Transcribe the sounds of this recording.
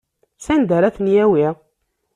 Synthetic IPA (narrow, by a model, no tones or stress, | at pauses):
sænd̪əɾæθnjæwi